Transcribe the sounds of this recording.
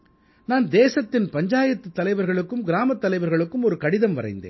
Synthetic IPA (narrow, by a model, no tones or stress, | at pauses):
naːnd̪eːsɐt̪ːɪnpɐɲd͡ʒaːjɐt̪ːɯt̪ːɐlɐɪʋɐɾɣɐɭɯkːɯmɡɪɾaːmɐt̪ːɐlɐɪʋɐɾɣɐɭɯkːɯmɔɾɯkɐɽɪðɐmʋɐ̰rɐ̰ɪnd̪ḛːn